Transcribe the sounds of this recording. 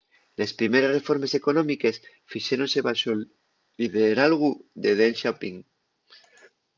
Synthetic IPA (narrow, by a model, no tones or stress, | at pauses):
le̞spɾime̞ɾe̞sre̞fo̞ɾme̞se̞ko̞nomike̞s | fiʃeɾõnseβaʃo | liβeɾalɣuðeðenʃapiŋ